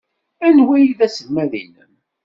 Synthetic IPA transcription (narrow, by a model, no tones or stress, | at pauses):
ænwæjiðæsəmːæðḭnəm